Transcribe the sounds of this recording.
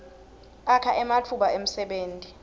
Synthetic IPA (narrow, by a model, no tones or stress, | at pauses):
akʰaʔɛmat͡fʰuɓaem̩sɛɓeːntʼi